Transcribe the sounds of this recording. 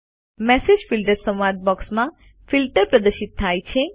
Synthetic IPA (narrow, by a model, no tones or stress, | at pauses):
mɛsed͡ʒfilʈəɾsə̃mʋaɾt̪̚bɔksmã | filʈəɾpɾəd̪əʃɪt̪ʰːajt͡ʃʰe